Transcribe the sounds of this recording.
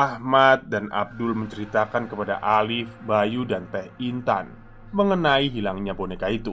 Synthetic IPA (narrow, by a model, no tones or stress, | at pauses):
ʔahmat̪̚dana̰b̚dʊlməɲt͡ʃəɾit̪akankəpada̰ʔalɪfbajudant̪ɛhint̪a̰n | məŋənaiɦilaŋɲabonekait̪u